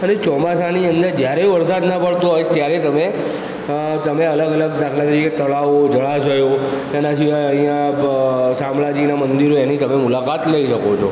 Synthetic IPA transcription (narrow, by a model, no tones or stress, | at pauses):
ənet͡ʃɔmasaniənd̪əɾd͡ʒjaɾẽʋəɾsat̪nəpəɭt̪uɦojt̪jaɾet̪əme | t̪əmeələɡələɡd̪akʰlat̪əɾiket̪əɭaʋod͡ʒəɭad͡ʒəjo | ɛnaʃiʋajəɦĩjã | sãmɭad͡ʒinamənd̪iɾoenit̪əmemulakat̪ləiʃəkot͡ʃʰo